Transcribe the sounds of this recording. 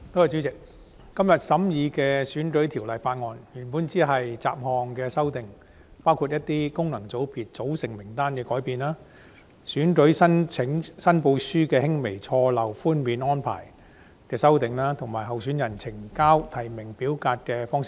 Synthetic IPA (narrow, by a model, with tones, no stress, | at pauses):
t̪o˥whɐ˨jt͡ʃt͡ɕyː˨˥t͡sɪ˨k̚ | kɐ˥mjɐ˨t̚sɐ˨˥mjiː˨˧kɛː˧syː˨˥nkɵ˨˥ɥt̪ʰi˨˩wlɐ˨jfaː˧t̚ŋɔː˨˧njyː˨˩npuː˨˥nt͡siː˨˥ɦɐ˨jt͡sa̰ː˧˨p̚hɔː˨ŋkɛː˧sɐ˥wt̪ɪ˨ŋ | paː˥wkʰu˧t̚jɐ˥t̚t̪iː˥kʊ˥ŋnɐ˨˩ŋt͡so˨˥wpiː˨t̚t͡so˨˥wsɪ˨˩ŋmɪ˨˩ŋt̪aː˥nkɛː˧kɔː˨˥jpiː˨˧nlaː˥ | syː˨˥nkɵ˨˥ɥsɐ˥nt͡sʰɪ˨˥ŋsɐ˥npo˧wsyː˥kɛː˧hɪ˥ŋme˨˩jt͡sʰɔː˧lɐ˨˩wfuː˥nmiː˨˧nɔː˥npʰa̰ː˨˩j | kɛː˧sɐ˥wt̪ɪ˨ŋlaː˥t̪ʰʊ˨˩ŋmaː˨˩jɦɐ˨wsy˨˥njɐ˨˩nt͡sʰɪ˨˩ŋkaː˥wt̪ʰɐ˨˩jmɪ˨˩ŋpiː˨˥wkaː˧t̚kɛː˧fɔː˥ŋsɪ̥˥k̚